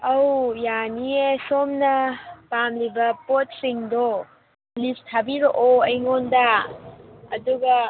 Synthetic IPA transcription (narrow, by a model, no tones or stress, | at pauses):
ɐwjaniesomnɐpamlibɐpot̚siŋdo | list̚habiɾoʔoɐjŋondɐ | ɐduɡɐ